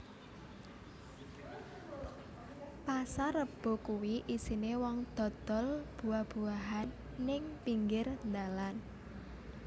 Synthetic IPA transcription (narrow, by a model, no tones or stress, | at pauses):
pasaɾəb̥o̤kuwiʔisinewɔŋd̪̥ɔ̤d̪̥ɔ̤lb̥uahb̥ṳaɦanː | ɪŋpiŋɡɪrnd̪alan